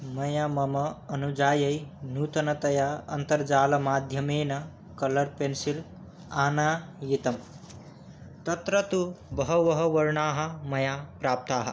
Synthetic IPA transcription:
mʌjamʌmʌːnud͡ʒaːjɐjnut̪ɐnʌt̪ɐjaʌ̰nt̪ɐɾd͡ʒaːlɐmaːd̪ʱjʌmeːnʌ | kʌlʌɾpensil | aːnajit̪ɐm | t̪ʌt̪ɾʌt̪ubʌɦʌʋʌɦʌʋɐɾɳaːɦɐ̆mɐjapɾaːp̚t̪aːɦ

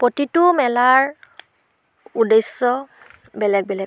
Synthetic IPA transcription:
potitʊmɛlaɹ | udesːɔ | bɛlɛk̚bɛlɛk

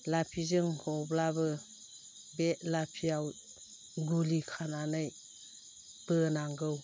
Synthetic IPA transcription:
lapʰizɯŋhɔblabɯ | bɛʔlapʰiaw | ɡulikʰananɯj | b̥ɯnaŋɡɯw

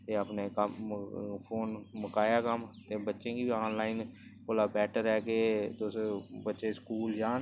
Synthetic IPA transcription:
t̪eːəpneːkəmpʰoːnməkaːjaːkəmt̪eːbətːʃẽːkiiaːnlaːɪnkoːlaːbɛːʈəɾɛːkeːt̪osbətːʃeːskuːld͡ʒaːn

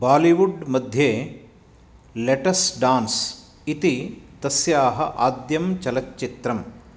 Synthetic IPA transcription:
baːliʋuɖmɐd̪ʱjeː | leʈɐsɖaːns | it̪it̪ɐsjaːɦɐ̰ʔaːd̪jɐmt͡ʃɐlɐt͡ʃːt͡ʃit̪ɾɐm

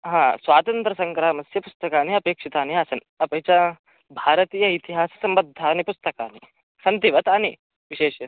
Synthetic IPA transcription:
ɦãːsʋaːt̪ɐnt̪ɾɐsɐŋkɾaːmɐsjɐpust̪ɐkaːniɐpeːkʂit̪aːniaːsɐn | ɐpɐt͡ʃa | bʱaːɾɐt̪iːjɐit̪iɦaːsɐ̥sɐmbɐd̪ʱːaːnipust̪ɐkaːni | sɐnt̪iʋɐt̪aːni | ʋiʃeːʃjɐ

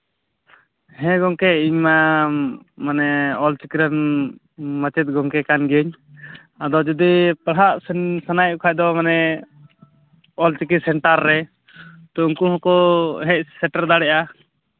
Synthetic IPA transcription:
hɛ̃ɡɔŋkɛiɲma | manɛɔlt͡ʃikiɾan | mat͡ʃɛt̪̚ɡɔŋkɛkanɡəɲ | ad̪ɔd͡ʒɔd̪ipaɽɦaʔssanajukʰaʔ̚d̪ɔmanɛ | ɔlt͡ʃikisɛɳʈaɾːɛ | t̪ɔuŋkuhɔ̃kɔɦɛc̚sɛʈaɾd̪aɽɛʔa

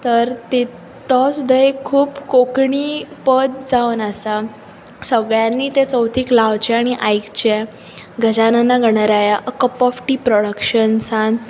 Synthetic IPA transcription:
t̪əɾt̪e | t̪ɔsud̪ʱaekʰuːpkokɳiːpəd̪d͡zaʋənasa | səɡɭjãnːiːt̪et͡səwt̪ʰiːklaʋt͡ɕeaɽ̃iʔajkt͡ɕe | ɡʱəd͡ʑanənːaɡʱəɽ̃aɾajaʔəkəpɔfʈiːpɾɔɽəkɕənsan

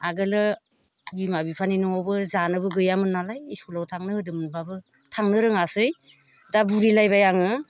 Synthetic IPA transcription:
aɡɯlɯ | bimabipʰaninɯŋɔbɯzanɯβɯɡɯjamɯnːalajiskulawtʰaŋnɯɯdɯmɯnbabɯ | tʰaŋnɯɾɯŋasɯj | dabuɾilajβajaŋɯ

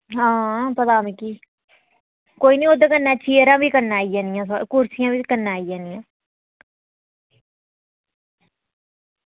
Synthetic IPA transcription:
ɦãːpət̪aːmĩːkiː | koːiːnĩːoːd̪akənːɛːt͡ʃʰiːəɾãːʋiːkəɾnaːijãːnɪjãːs̬kʊɾsɪjãːʋiːkənːaːijãːnɪjãː

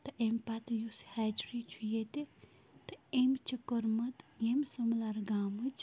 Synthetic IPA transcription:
t̪ɨʔempat̪jushad͡ʒɾit͡ʃʰujet̪e | t̪ɨemt͡ʃʰikəɾmɐt̪jemsəmlaɾɡaːmɨt͡ʃ

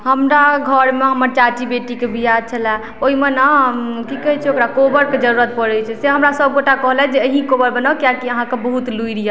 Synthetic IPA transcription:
ɦəmɾaɡʱəɾmeɦəməɾt͡ʃat͡ʃibeʈikebʱijat͡ʃʰəlɛ | oɦimenakikəɦɛt͡ʃʰɛokɾakobəɾked͡ʒəɾuɾət̪̚pəɾɛt͡ʃʰɛseɦəmɾasəb̚ɡoʈakəɦlaɛd͡ʒeəɦĩkobəɾbənakjakiəɦãkebəɦut̪luiɾija

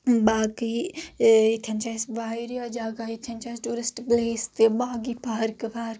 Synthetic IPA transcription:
baːki | it̪ʰʲɐnt͡ʃaːjsbaːiɾijad͡ʒaːɡait̪ʰjɐnʲt͡ʃaːsʈuːɾɪsʈbleːst̪ebaːɡipaɦɾkepaːɾ

